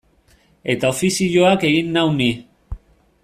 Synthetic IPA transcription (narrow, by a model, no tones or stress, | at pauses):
e̞t̪ao̞fisiʎo̞ake̞ɣinːawni